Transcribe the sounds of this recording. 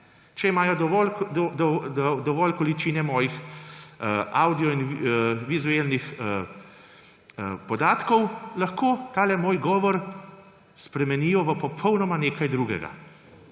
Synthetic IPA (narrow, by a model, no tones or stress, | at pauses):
t͡ʃɛimaːjɔd̪ʋɔlɔd̪ɔʋɔlkɔlit͡ʃiːnɛmɔjix | aːwd̪ijɔinʋizuelnixə | pɔd̪aːt̪kɔwlaxkot̪aːlɛmoːjɡɔːʋɔɾ | spɾɛmɛniːjɔʋəpɔpʰɔwnɔmaneːkajd̪ɾuːɡɛ̰ɡa̰